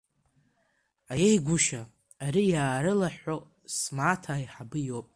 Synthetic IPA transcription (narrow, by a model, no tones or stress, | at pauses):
ajejɡʷʊʃa | aɾijaːɾɨlaħʷo | smaːtʰaːiħabɨjo̞pʼ